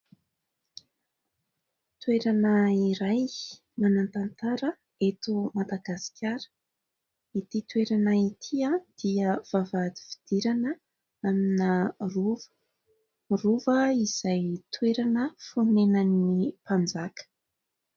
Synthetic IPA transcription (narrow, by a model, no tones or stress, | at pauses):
t̪weɾanəiɾaj | manant̪ant̪aɾə | et̪umad̪aɡasi̥kʲʰaɾə̥ | it̪it̪weɾanəit̪ʰiad̪̥iəv̥avad̪i̥vi̥d̪̥iɾanə | aminəruv | ruvəiz̥ajt̪ʰweɾanəfunenənipand͡zakə̥